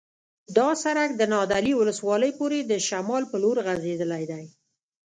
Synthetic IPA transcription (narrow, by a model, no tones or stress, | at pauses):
d̪ɑsaɾak̚d̪ənɑd̪aliwʊləswɑləjpoɾed̪əʃamɑlpəloɾɣazed̪əlajd̪aj